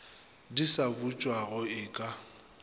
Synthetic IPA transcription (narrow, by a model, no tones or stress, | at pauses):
disabut͡ʃʼwaɣʊɪːkʼa